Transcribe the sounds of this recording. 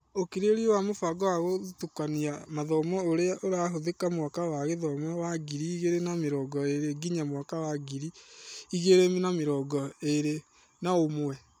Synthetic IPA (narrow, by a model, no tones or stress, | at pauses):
okiɾeɾiowamofaɡɔwaɣotukaniamaðɔmɔoɾeaʔoɾaɦoðekamwakawaɣeðɔmɔwaɡiɾiːɣeɾenameɾɔːɡɔeɾeɡiɲamwakawaɡiɾiiɣeɾemnameɾɔːɡɔeɾe | naomoɛ